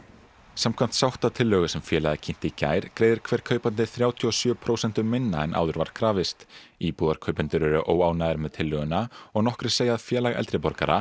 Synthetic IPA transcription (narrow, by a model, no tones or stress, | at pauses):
samkʰvam̥t̪sawht̪at̪ʰɪlːœːɣʏsɛmfjɛːlaðacʰɪn̥t̪ɪica̰ːjɾ̥kɾeːjðɪɾ̥kʰvɛːɾ̥kʰœːɥpat̪nɪθɾjaːwt̪ʰiɔsjœːpʰɾoːwsɛn̥t̪ʏmɪnːaɛnʔa̰ːwðʏɾva̰ɾ̥kʰɾaːvɪst̪iːpuːðaɾ̥kʰœɥpʏnt̪ɪɾɛɾʏʔoːwaːwnaðɪɾmɛðt̪ʰɪlːœɣʏnaɔɣnɔhkɾɪ̥seːjaðfjɛːlaɣɛ̰lt̪ɾɪpɔɾkaɾa̰